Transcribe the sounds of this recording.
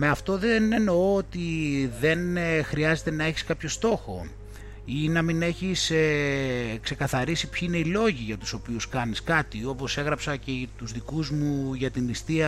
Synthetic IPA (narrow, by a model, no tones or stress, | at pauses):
me̞ɐft̪o̞ðeneno̞oot̪iðe̞nxɾiɐze̞t̪e̞nɐe̞çi̥skɐpço̞st̪o̞xo̞̰ | inɐmine̞çise | kse̞kɐθɐɾisipçiine̞ilo̞ʝiʝɐt̪u̥so̞piuskɐniskɐt̪io̞po̞se̞ɣɾɐpsɐce̞t̪uzðikuzmuʝɐt̪inist̪iɐ